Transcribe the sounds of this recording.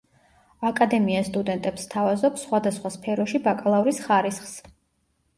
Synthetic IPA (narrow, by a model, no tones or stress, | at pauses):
akʼad̪ɛmiast̪ʼud̪ɛnt̪ʼɛpst̪ʰavazɔpsχwad̪asχwaspʰɛɾɔʃibakʼlˠavɾisχaɾisχs